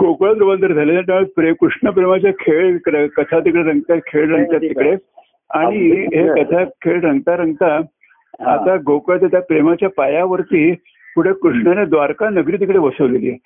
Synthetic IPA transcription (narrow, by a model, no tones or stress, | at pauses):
ɡokɭat̪ɾuband̪əɾd͡zʱaleneʈ̪apɾekɾuʂɳəpɾemat͡ɕjakʰeɭɾəkət̪ʰat̪ikɽeɾəŋɡt̪at̪̚kʰeɭɾəŋɡt̪jat̪ːikɽe | aɽ̃iɦekət̪ʰakʰeɭɾəŋɡt̪aɾəŋɡt̪aː | t̪aɡokɭat̪at̪japɾemat͡ɕjapajaʋəɾt̪iː | puɽ̤ekɾuʂɳəned̪ʋaɾkanəɡɾit̪̬ikɽeʋəsəʋlilie